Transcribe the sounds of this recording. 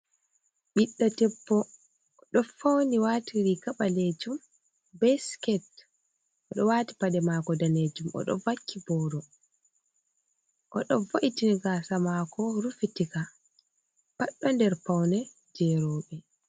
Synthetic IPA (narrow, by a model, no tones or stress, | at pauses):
ɓiɗːɔtɛpːɔ | ɗɔfawniwatiɾikaɓaled͡ʒum | bɛskɛt | ʔɔɗɔwati̥paɗɛmakɔdaned͡ʒumɔ̰ɗɔ̰vakʰːibɔːɾɔ | ʔɔ̰ɗɔvoʔitiniɡasamakɔɾufitika | paɗːɔndɛɾpawnɛ | d͡ʒɛɾɔɓɛ